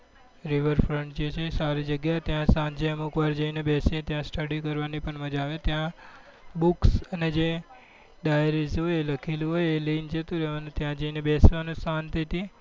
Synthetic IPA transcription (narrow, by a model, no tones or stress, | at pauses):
ɾiʋəɾfʰɾəɳʈd͡ʒet͡ʃʰesaɾid͡ʒəɡjat̪jãsand͡ʒeəmukʋaɾd͡ʒəinebesẽt̪jãsʈəɽikəɾʋanipəɳməd͡ʒaʋẽt̪jã | buksəned͡ʒe | ɗajɾizɦojeləkʰelũɦojeliind͡ʒət̪ũɾeʋanũt̪jãd͡ʒəinebesʋanũsant̪ʰəjt̪i